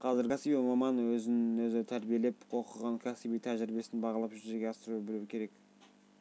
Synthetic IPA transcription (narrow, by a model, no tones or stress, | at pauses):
qʰɑzɪɾɡʲɑsipimɑmɑnwɵzɪnɪnwɵzɪt̪ʰæɾbije̞le̞poqəʁɑŋkʲʰæsibijt̪ʰæʒɾibe̞sɪnbɑʁɑlˠɑpʒʏɾʒe̞ɾɡʲeɑsəɾuəbɪluwɪkʲʰe̞ɾe̞k